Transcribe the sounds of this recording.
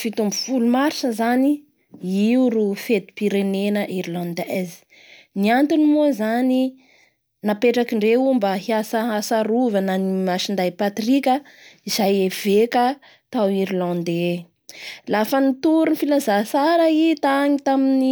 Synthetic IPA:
fit̪umbufulumaɾsəzani | iuɾufet̪u̥piɾenenəʔiɾlãnd̪ɛzi̥ | niant̪inimuazani | napeʈ͡ʂakiɳɖ͡ʐeumbaɦiasaɦasaɾuvananimaʃind̪ajpat̪ɾikʲə | izajev̥eka | t̪awiɾilãnd̪e | lafənit̪uɾunifilazasaɾait̪aɲit̪amini

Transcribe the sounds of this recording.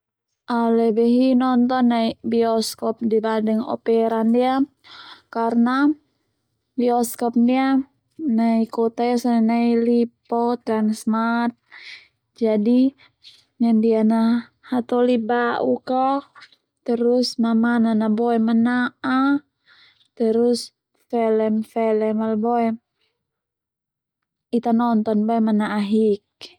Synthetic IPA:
ʔalɛbɛɦinɔnt̪ɔnːaibiɔskɔp̚dibadəŋɔ̰pɛɾandia | karna | biɔskɔp̚nia | naikɔt̪ajasanɛnailipɔt̪ɾansmat̪̚ | d͡ʒadi | ɲandiana | hat̪ɔlibaʔukɔ | t̪əɾusmamananabɔɛmənaʔa | t̪əɾus | fɛlɛmfɛlɛmalbɔɛ | it̪anɔnt̪ɔnbɔɛmanaʔaɦik̚

